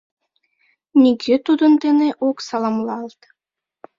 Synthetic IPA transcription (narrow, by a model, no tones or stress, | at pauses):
nʲiɡʲet̪ud̪ənt̪eneʔoksɑlˠɑmlɑlt̪